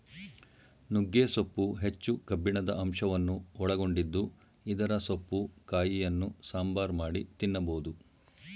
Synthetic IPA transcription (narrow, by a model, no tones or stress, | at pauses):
nuɡːeːsopːuɦe̞t͡ʃːukɐbːiɳɐd̪ɐʔɐmʂɐʋɐnːuɔɭɐɡo̞ɳɖid̪ːu | id̪ɐɾɐsopːukaːjijɐnːusaːmbaːɾmaːɽit̪inːɐboːd̪u